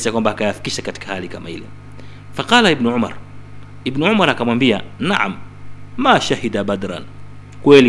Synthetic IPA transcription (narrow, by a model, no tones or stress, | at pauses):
sakwambaːkajafi̥kiʃakati̥kahalikamahḭlɛ̰ | faqɑːlaibnuʕʊma̰ɾˤ | ibnuʕʊmaɾˤakamwambianaʕa̰mː | aːʃahid̪abad̪ɾa̰n | kwɛli